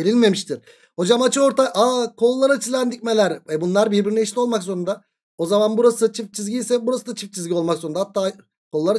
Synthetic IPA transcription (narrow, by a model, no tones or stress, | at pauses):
eɾilʲme̞miʃt̪ʰiɾ̥ | ho̞d͡ʒamat͡ʃʰɯo̞ɾt̪ʰaʔaːkʰo̞lˠulˠaɾat͡ʃʰizʲænd̪ic̚ʲme̞lʲæɾvɛbunlˠaɾbiɾbiɾinɛiʃlʲio̞lˠmakzso̞ɾund̪a | o̞zamanbuɾasɯt͡ʃʰift͡ʃʰizʲɟijsɛbuɾasɯd̪at͡ʃʰift͡ʃʰizɡɟio̞lˠmakzo̞ɾund̪ahat̪ʰːaː | kʰolˠulˠaɾa